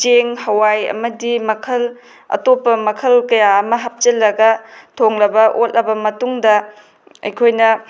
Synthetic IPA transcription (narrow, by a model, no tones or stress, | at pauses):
t͡ʃeŋhɐwajɐ̰mɐdimɐkʰɐl | ɐ̰topːɐmɐkʰɐlkɐjaɐmɐɦap̚t͡ʃɐlːɐɡɐtʰoŋlɐbɐʔotʔɐbɐmɐtuŋdɐ | ɐ̰jkʰojnɐ